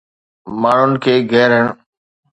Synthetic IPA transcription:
maːɳ̤ʊnɪ̆kʰeːɡʱɛːɾəɳ̃

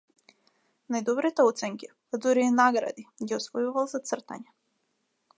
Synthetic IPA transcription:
najd̪ɔbɾit̪ɛɔt̪sɛŋki | ad̪zuɾiɛnaɡɾa̰d̪iɡʲiɔsvɔjuvalˠzat̪sr̩t̪a̰ɲɛ

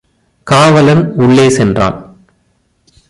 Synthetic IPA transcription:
kaːʋɐlɐnʊɭːeːsɛndra̰ːn

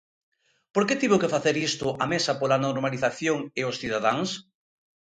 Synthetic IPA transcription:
poɾket̪iβʊkɪfaθeɾist̪ʊʔamesɐpolanoɾmaliθaθjoŋɪosθiðaðaŋs

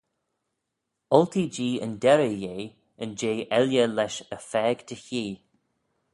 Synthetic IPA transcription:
ɔlt̪ʰiːd͡ʒiːə̰nd̪ɛɾəjeː | ənd͡ʒeːʔɛljəlɛʃəfɛːɡ̥t̪ʰəçiː

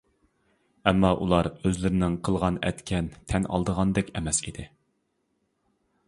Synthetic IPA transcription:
ɛmːɑʔṵlˠɑɾøzlɪɾɪnɪŋqʰəlˠʁɑnɛ̰t̪kʲʰɛnt̪ʰɛnɑ̰lˠd̪əʁɑnd̪ɛkʲɛmɛsid̪ɪ

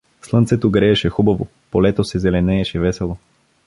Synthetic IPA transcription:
slˠɤnt̪sɛt̪oɡɾɛːʃɛxubɐvo | polɛt̪osɛzɛlɛnɛːʃɛvɛsɛlˠo

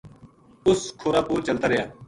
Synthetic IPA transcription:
ʊskʰoːɾaːpuːɾt͡ʃəlt̪aːɾəjaː

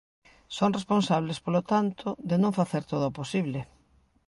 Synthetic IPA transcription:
soŋresponsaβlespolot̪ant̪ʰoðenõŋfaθeɾt̪oðoːposiβle

